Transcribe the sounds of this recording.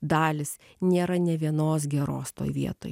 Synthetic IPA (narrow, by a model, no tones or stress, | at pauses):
d̪ɑːlʲɪs | nʲeːɾɐnʲɛʋʲiɛnoːs̬ɡʲɛɾo̰ːst̪o̰ːjʋʲiɛt̪oːj